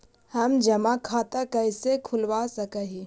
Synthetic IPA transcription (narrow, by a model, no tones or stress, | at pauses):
həmd͡ʒəmakʰaːt̪akəɪsekʰʊlwasəkəɦi